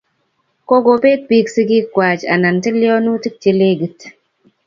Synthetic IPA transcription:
ko˦ɡo˨pe˦t̚pi˦ksi˦ɡi˦kːwa˨t͡ʃa̰˨na˨ntɪ˦ljɔ˦nu˦ti˦k̚t͡ʃi˦le˦ɡi˨t

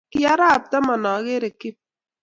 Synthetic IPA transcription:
ki˦ja˦ɾa˦˨p̚ta˦ma˨nɔ˨˦ɣe˦ɾe˨kɪ˦p̚

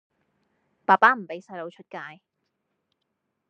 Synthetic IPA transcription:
paː˨˩paː˦˥m̩˨˩pe˨˥jsɐ˧jlo˨˧wt͡ʃʰɵ˥t̚kaː˧j

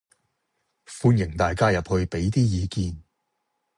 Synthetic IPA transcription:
fuː˧njɪ˨˩ŋt̪aː˨jkaː˥jɐ˨p̚hɵ˧ɥpe˨˥jt̪iː˥jiː˨˧kiː˧n

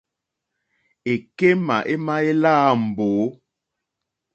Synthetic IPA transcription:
e˨ke˦ma̰˨ʔe˦ma˦e˦la˦˨m̩˨boː˨˦

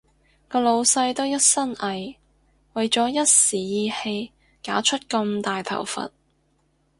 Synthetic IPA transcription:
kɔː˧lo˨˧wsɐ˧jt̪o˥wjɐ˥t̚sɐ˥nɐ˨j | wɐ˨jt͡sɔː˨˥jɐ˥t̚siː˨jiː˧he˧j | kaː˨˥t͡ʃʰɵ˥t̚kɐ˧mt̪aː˨jt̪ʰɐ̰˨˩wfɐ̰˨t̚

